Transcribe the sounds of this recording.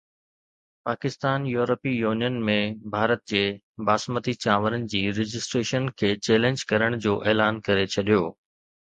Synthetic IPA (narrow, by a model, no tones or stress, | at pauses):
paːkɪst̪aːnjuːɾəpijuːnijənmẽbʱaːɾət̪̚d͡ʑeː | baːsmət̪it͡ɕaːʋəɾənɪ̆d͡ʑiːɾɪd͡ʑɪsʈɾeːʃənkʰeːt͡ɕeːlẽɲd͡ʑkɐɾəɽ̃d͡ʑoːʔeːlaːnkɐɾet͡ɕʰɐɗijoː